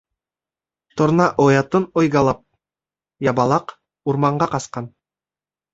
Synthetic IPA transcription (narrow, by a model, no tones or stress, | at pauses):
t̪ŏɾnɑʔojɑt̪ɤnojɡɑlˠɑp̚ | jɑbɑlˠɑq | uɾmɑɴɢɑqɑsqɑn